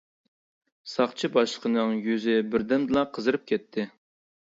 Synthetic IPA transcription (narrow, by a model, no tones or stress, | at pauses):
sɑχt͡ʃʰibɑʃlˠəqʰənɨŋjyzɪbɪɾd̪ɛmd̪ɨlˠɑqʰəzɨɾɨp̚kʲʰɛt̪ʰːɪ